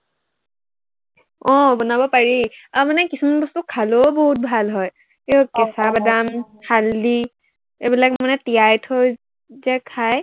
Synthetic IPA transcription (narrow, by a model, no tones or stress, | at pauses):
ɔ̃bɔnabɔpaɹiamanɛkisumanbɔstukʰalobɔɦut̚bʱalɦɔj | kiɔkɛsabadam | haldi | ebilakmanɛtijajtʰoj | zɛkʰaj